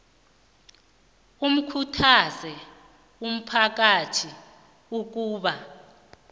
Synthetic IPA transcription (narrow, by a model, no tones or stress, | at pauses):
um̩kʰutʰazɛ | um̩pʰak̬atʰi | uk̬uːɓa